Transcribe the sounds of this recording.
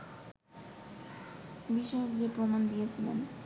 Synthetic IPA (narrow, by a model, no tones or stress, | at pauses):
biʃɔokd͡ʑepɾomand̪ijet͡ɕʰilḛn